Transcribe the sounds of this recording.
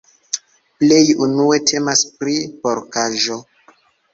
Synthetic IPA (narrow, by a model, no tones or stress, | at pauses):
ple̞junue̞tʰe̞maspɾipoɾkaʒo̞